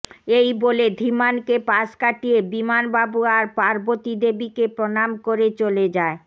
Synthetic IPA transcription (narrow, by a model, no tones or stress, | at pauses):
ejboled̪ʱimankepaskaʈijebimanbabuaɾpaɾbot̪id̪ebikepɾonamkoɾet͡ɕoled͡ʑae